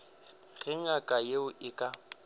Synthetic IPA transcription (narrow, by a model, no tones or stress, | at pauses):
ɣɪŋakʼajeʊʔɪkʼa